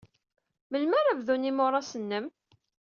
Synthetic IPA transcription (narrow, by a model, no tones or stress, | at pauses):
məlmæɾævðunimoɾˤɑsənːəm